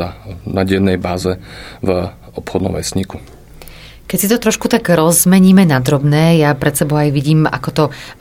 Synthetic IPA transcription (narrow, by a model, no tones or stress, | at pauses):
anaɟɛnːɛjbaːzɛv | ɔpxɔd̪nɔ̰mʋɛ̰sɲiku | kɛcsit̪ɔt̪ɾɔʃkut̪aɡɾɔzmɛɲiːmɛnad̪ɾɔbnɛːjapɾɛt̪sɛbɔʊajʋiɟiːma̰kɔt̪ɔ